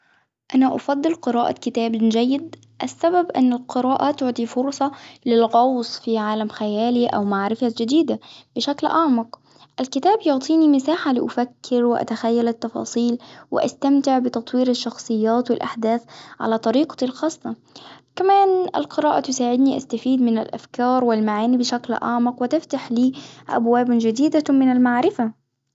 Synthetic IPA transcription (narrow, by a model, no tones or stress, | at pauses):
ʔanaʔɑfɑd̪ˤːɨlqɨɾɑːʔa̰kɪt̪aːbnd͡ʒajːɪd̪ | ʔasːababʔɪ̰nːɪlqɨɾaːʔat̪ʊʕt̪ˤifʊɾsˤɑlɪlɣɑwsˤfiʕaːlamxajæːliʔa̰wmaʕɾɪfad͡ʒɪd̪iːd̪ab̥ɪʃaklʔɑʕmɑq | ʔalkɪt̪aːbjʊʕt̪ˤiːnimɪsaːħalɪʔʊfakʰːɪɾwɪʔa̰t̪axajːalɪt̪ːɑfɑ̰ːsˤiːlwɪ̰ʔa̰st̪amt̪ɪʕbɪt̪ɑt̪ˤwiːɾaʃːɑxsˤɨjːaːt̪wɪlʔa̰ħd̪aːθʕa̰lat̪ˤɑɾiːqɑ̥t̪ilxɑːsˤːɑ | kamaːnʔa̰lqɨɾɑːʔat̪ʊsaːʕɪd̪niʔast̪afiːd̪mɪna̰lʔa̰fkɑːɾˤwɪlmaʕaːnibɪʃaklʔɑ̰ʕmɑqwɪt̪ɪft̪aħliːʔa̰bwaːbd͡ʒɪd̪iːd̪amɪnalmaʕɾɪfa